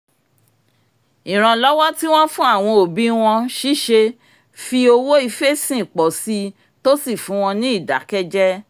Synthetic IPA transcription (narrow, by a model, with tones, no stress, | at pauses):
i˨ɾ̃ã˧lɔ˦wɔ˦ti˦w̃ɔ̃˦fũ˦a˦˨w̃ɔ̃˧o˨bi˦w̃ɔ̃˧ʃi˦˨ʃe˧ | fi˧o˧wo˦i˧fe˦˨sĩ˨k͡pɔ˨si˧ | to˦si˦˨fũ˨˦w̃ɔ̃˧nĩ˦i˦˨da̰˨˦kɛ˦d͡ʒɛ˦